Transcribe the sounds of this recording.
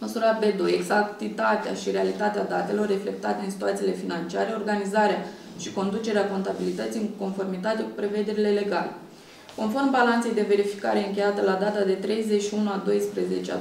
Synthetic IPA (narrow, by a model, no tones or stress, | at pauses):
məsuɾabe̞d̪oje̞ɡzakt̪it̪at̪ea̰ʃiɾealit̪at̪ead̪at̪e̞lo̞rːe̞fle̞k̚t̪at̪eɨnsi̥t̪uat̪sile̞finant͡ʃiaɾe̞o̞rɡanizaɾea | ʃiko̞nd̪ut͡ʃe̞ɾeako̞nt̪abilit̪ət̪siɨŋko̞nfo̞rmit̪at̪e̞ku̥pɾe̞ve̞d̪e̞ɾile̞le̞ɡale | ko̞nfo̞rmbalant̪se̞jd̪e̞ve̞ɾifi̥kaɾe̞ɨŋkʲe̞jat̪əlad̪at̪ad̪e̞t̪ɾe̞jzet͡ʃʃiunuad̪o̞jspɾeze̞t͡ʃea̰